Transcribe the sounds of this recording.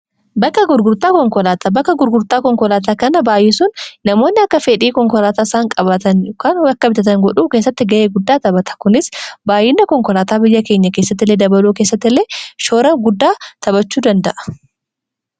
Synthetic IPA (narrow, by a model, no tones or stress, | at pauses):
bɐkːɐɡʊɾɡʊɾt̪aːkɔŋkɔlaːt̪ɐbɐkːɐɡʊɾɡʊɾt̪aːkɔŋkɔlaːt̪̬aːkɐnɐbaːjɛsʊnːɐmo̞ːnːɪɐkːɐfeːᶑiːkɔŋkɔlaːt̪aːsaːŋkʼɐbɐt̪ɐnkɐnwɐkːɐbɪt̪ɐt̪ɐŋɡɔᶑuːke̞ːsːɐt̪ːɪɡɐʔeːɡʊd̪ːaːt̪ɐbɐt̪ɐ̥kʊnɪsbaːjːɪnːɐkɔŋkɔlaːt̪aːbɪjːɐke̞ːɲːɐke̞ːsːɐt̪ːɪlːeːd̪ɐbɐluːkeːs̬ːɐt̪ːɪlːeːʃo̞ːɾɐɡʊd̪ːaːt̪ɐbɐt͡ʃːuːd̪ɐnd̪ɐʔɐ̥